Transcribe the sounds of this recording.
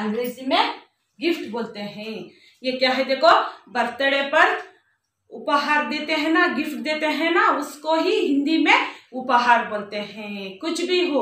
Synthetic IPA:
ɐ̃ŋɡɾeːzimẽ | ɡɪfʈboːlt̪eɦɛ̃ | jekjaːɦɛd̪eːkʰobɐɾt̪əɽepɐɾ | ʊpɦaːɾd̪eːt̪eɦɛ̃naɡɪfʈ̚d̪eːt̪eɦɛ̃naʊskoɦiɦɪ̃nd̪imẽʊpaɦaːɾboːlt̪eɦɛ̃kʊt͡ʃʰbʱiɦo

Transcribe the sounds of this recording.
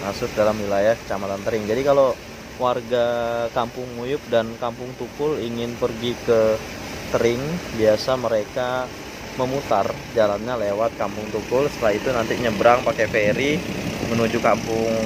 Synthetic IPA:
masʊk̚dalamwilajahkə̥t͡ʃamat̪ant̪əɾɪŋd͡ʒadikalo | warɡakampʊŋːujʊp̚dankampʊŋt̪ukʊliŋɪnpərɡikə | t̪əɾɪŋbiasaməɾeka | məmut̪ar | d͡ʒalanɲalewat̪̚kampʊŋt̪ukʊlsə̥t̪əlahit̪unant̪iɲəbəɾaŋpakefeɾimənud͡ʒukampʊŋ

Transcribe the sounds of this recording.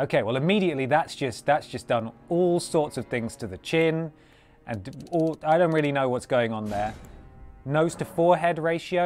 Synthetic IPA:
oʊkʰeɪwɛlˠɪmiɾiɨʔˡliðətsd̥ʒ̥ʌst̚ðətsd̥ʒ̥ʌsd̥ʌ̃nɔːlˠsɔɹtsʌv̥θɪ̃ŋz̥tʰəðɨt͡ʃʰɪ̃n | ʔə̃nɔlˠaɪɾõʊ̃nʔɹɪlinoʊwɒtsɡ̥oʊɪ̃ŋə̃nðə˞ | noʊz̥tʰəfɔːɹɦɛdɹeɪʃioʊ

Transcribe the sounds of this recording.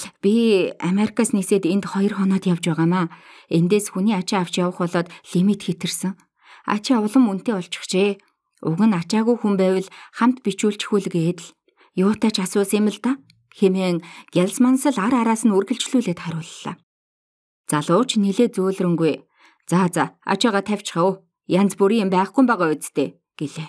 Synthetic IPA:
pʲiameɾikʰasniseːt̪ent̪χɔjɞ̆rχɔnɔːt̪jawt͡ɕpæːʁaːmaːent̪eːsxuniːat͡ɕɪ̆aw̥t͡ɕjawə̆χɔɮɔːt̪ɮ̥imit̪xet̪ɘ̆rsɘ̆ŋ | a̰t͡ɕɪʊɮə̆mun̥t̪eːɔɬt͡ɕɪ̥̆χt͡ɕʰeː | ṵɣɘ̆nat͡ɕaːɣujxumpæːwə̆ɮχam̥t̪pit͡ɕuːɮt͡ɕxuɮɘ̆ɣeːt̪ɘ̆ɮ | jʊːt̪ʰaːt͡ɕʰasʊːsemə̆ɮt̪aː | xemeːŋɡ̥eɮsmansə̆ɮaɾaɾaːsə̆nurɣɘ̆ɬt͡ɕɮuːɮeːt̪χaɾʲʊːɮːa̰ː | t͡saɮʊːt͡ɕneɮeːt͡suːɮrɘ̆ŋɡuj | t͡sat͡saa̰t͡ɕaːʁaːt̪ʰæw̥ʲt͡ɕχaʊ | jant͡spuɾiːɪmpæːχɡujmpæːʁɔːʊtt͡s̆st̪ʰeː | ɡ̥eɮeː

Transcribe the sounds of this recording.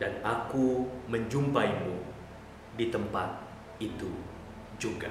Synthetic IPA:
danakuməɲd͡ʒumpaimu | dit̪əmpat̪̚ | it̪u | d͡ʒuɡa̰

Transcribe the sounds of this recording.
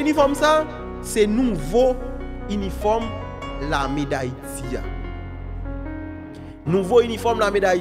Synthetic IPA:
ynĩfɔmsa | senũvoynifɔm | lamedajtia̰ | nũvoynĩfɔmlameda

